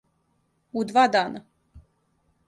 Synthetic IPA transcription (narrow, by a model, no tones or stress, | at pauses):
ud̪vad̪ana